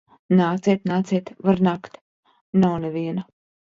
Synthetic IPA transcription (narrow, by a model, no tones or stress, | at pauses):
naːt̪siɛt̪naːt̪siːt̪vaɾnaːkt̪ | nawneviɛna